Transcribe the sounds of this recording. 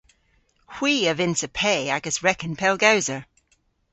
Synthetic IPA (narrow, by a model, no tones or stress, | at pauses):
hw̥iːəvɪ̃nsəpʰeɪaɡəsɹɛkə̃npʰɛlˠɡaʊzə